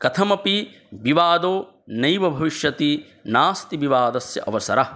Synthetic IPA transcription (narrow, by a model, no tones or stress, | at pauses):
kɐt̪ʰɐmɐpi | ʋiʋaːd̪oː | nɐjʋɐbʱɐʋiʃjɐt̪i | naːst̪iʋiʋaːd̪ɐsjɐ̰ʔɐʋɐsɐ̰ɾɐ